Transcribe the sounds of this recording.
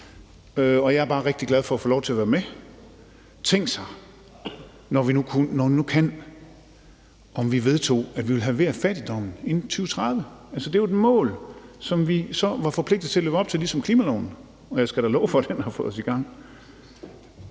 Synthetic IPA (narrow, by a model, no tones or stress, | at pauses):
øɒ̽jɑ̈ɪæɐb̥ɑ̈ːʁɛɡ̥̚d̥iɡ̥læð̞ˠfɒ̽æfɔːlɒʊt͡sʰe̝æɐʋæːɐme | t͡sʰeŋ̰ɡ̥sɑ̈ɪ | nɒʋinukʰunɒʋinukʰæn | ɒ̽mʋiʋe̝ð̞ˠt͡sʰo̝̰ːæd̥ʋiʋe̝lɦæʋe̝ɐfæd̥id̥ɒ̽m̰n̩e̝nnt͡sʰyːʊət͡sʰʁɑðˠʋəælsəd̥e̝ɑed̥mɔ̰̽ːlsɒ̽mʋisɒ̽ʋɑ̈fɒ̽pʰle̝ɡ̥̚d̥ð̩ˠt͡sʰe̝æløːʊɒb̥̚t͡sʰe̝lisɒ̽mkʰliːmælɒʊ̰n̩ | ɒ̽jɑɪsɡ̥æɾ̥ælɔ̽ʊfɒ̽d̥enhɑ̈fɔ̽ðˠsiɡ̥ɑ̈ŋ̰